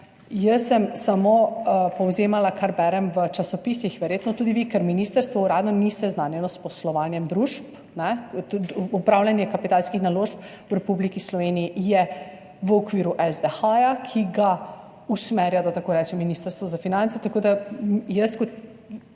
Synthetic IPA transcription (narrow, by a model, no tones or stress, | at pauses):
jəsːɛmsamopɔwzeːmalakʰaɾbɛɾɛmʋət͡ʃasɔpisixʋɛɾjeːt̪nɔt̪uːd̪iʋikɛɾminist̪əɾst̪ʋɔuɾaːd̪nɔnist̪ɛznanjɛnɔspɔslɔʋanjɛmd̪ɾuʃp | nɛ | ɔpɾawlʲjanjɛkapit̪alskixnaloʃp | wɾɛpublikislɔʋeːniijɛ | ʋəɔkʋiːɾuʔɛzd̪ɛxajakʰiɡa | usmɛɾjad̪at̪akoːɾɛt͡ʃɛmːinist̪əɾst̪ʋɔzafinant̪sɛt̪akoːd̪ajəskɔt̪